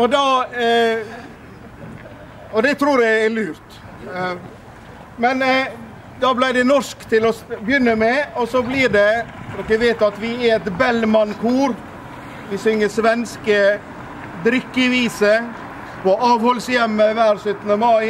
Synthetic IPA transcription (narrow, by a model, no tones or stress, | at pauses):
ɔd̪ɑ | ɔd̪ɛt̪ʰɾuːɾjææɭʉːɾt̪ | mɛn | d̪ɑblæɪd̪ɛnɔʂkt̪ʰɪlɔbjʏnːəmɛɔsɔblɪːɖɛɾɔkəʋeːt̪ɑt̪ʋɪæɛt̪bɛlmɑnkʰuːɾ | ʋɪsʏŋːəsʋɛnskə | d̪ɾʏkːɪʋiːsə | pʰɔʔɑːʋhɔlsjɛmːəʋæːɾsœt̪ːnəmɑɪ